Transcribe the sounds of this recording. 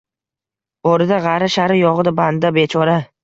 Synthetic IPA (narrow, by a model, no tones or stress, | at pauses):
oɾɪd̪aʁɑɾaʃaɾɪjɒʁɨd̪aband̪abe̞t͡ʃʰɒɾa